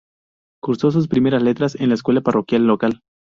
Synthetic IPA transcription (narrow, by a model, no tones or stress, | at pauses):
kuɾso̞s̬us̬pɾime̞ɾasle̞t̪ɾase̞nlaeskwe̞laparo̞kjalːo̞kal